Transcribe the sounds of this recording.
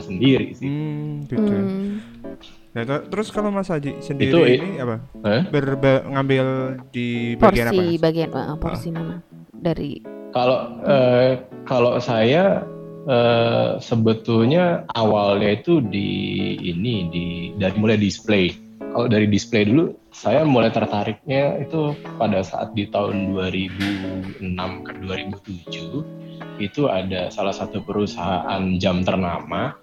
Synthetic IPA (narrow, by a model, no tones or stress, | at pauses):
səndiɾḭsɪkit̪u | jat̪t̪əɾʊskalomasad͡ʒisəndiiɾt̪uiniapaəbərbəŋambɪldibɔaasnaibaɡiana̰ʔə̰pɔ̰rssimana | daɾḭkaloəːkalosaja | əsəbət̪ʊlɲaawalɲait̪udḭːnididaɾimulajdisplej | kaloʔdaɾidispledulu | sajamulajt̪ərt̪aɾɪk̚ɲait̪upadasa̰ʔa̰t̪̚dit̪aʊ̰nduaɾibuənamkəduaɾibut̪ud͡ʒu | it̪uadasalahsat̪upəɾusaɦaʔand͡ʒamt̪ərnama